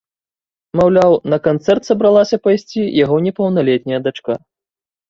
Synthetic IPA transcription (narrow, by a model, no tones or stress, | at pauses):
mawlʲawnɐkant̪sɛrt̪sɐbɾalˠasʲɐpɐjsʲt͡sʲijaɣɔnʲɛpɐwnalʲɛt̪̚ʲnʲɐjɐd̪at͡ʂka